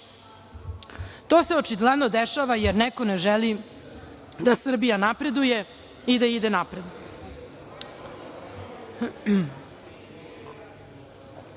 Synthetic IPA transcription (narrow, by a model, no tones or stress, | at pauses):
t̪o̞ːseo̞t͡ʃiɡlˠɛd̪nod̪eʃaʋajeɾneko̞neʒɛli | d̪asr̩bijanapɾe̞d̪uje | id̪aid̪enapɾed̪